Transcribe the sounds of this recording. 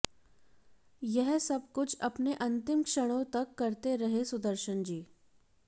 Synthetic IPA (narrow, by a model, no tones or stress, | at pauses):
jɛɦsɐb̚kʊt͡ʃʰɐpneʔɐ̃nt̪ɪmkʃəɽ̃õt̪ɐkːɐɾt̪eɾɐɦesʊd̪əɾʃənd͡ʒiː